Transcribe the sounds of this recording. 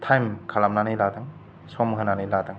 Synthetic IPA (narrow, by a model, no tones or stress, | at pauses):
tʰajmkʰalamnanɯjladɯŋ | sɔmɦananɯjladɐŋ